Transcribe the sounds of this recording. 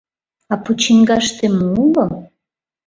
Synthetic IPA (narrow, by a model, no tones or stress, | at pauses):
ɑput͡ɕiŋɡɑʃt̪emulo